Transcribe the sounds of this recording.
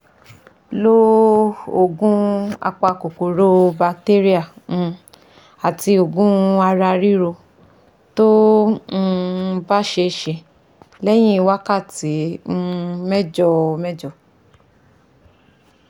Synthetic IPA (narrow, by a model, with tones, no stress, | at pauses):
lo˦ | o˦˨ɡũ˦a̰˧k͡pa˧˨ko˨ko˨ɾo˦ba˧te˦ɾi˦ã˨˦˧ | a˨ti˧o˨ɡũ˦a˧ɾa˧ɾi˦ɾo˧ | to˦˧ | ba˦ʃe˧ʃe˧ | lɛ˦j̃ĩ˦i˧wa˦ka˦˨ti˨˦n̩˦˧mɛ˦d͡ʒɔ˦˨mɛ˦d͡ʒɔ˦˨